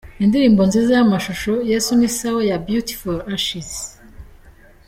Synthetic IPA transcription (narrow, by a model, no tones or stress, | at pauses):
indiɾiːmbo̞nzizejamaʃuʃojesunisawejabjuti̥foɾaʃis